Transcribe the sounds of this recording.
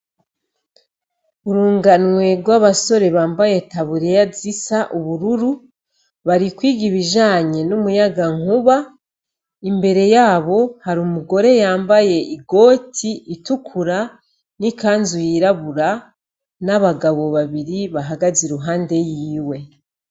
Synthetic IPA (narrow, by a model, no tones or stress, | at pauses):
uɾuːŋɡanwe̞ɡwaβaso̞ɾe̞βaːmbaje̞taβuɾejazisaʔuβuɾuɾu | βaɾikwiːɡiβiʒaːɲe̞numujaɡaŋuβa | imbe̞ɾe̞jaːβo̞haɾumuɡo̞ɾe̞jaːmbaje̞ʔiɡo̞ːtʰiitukʰuɾa | nikaːnzujiɾaβuɾa | naβaɡaβo̞βaβiɾiβaɦaɡaziɾuɦaːnde̞jiːwe̞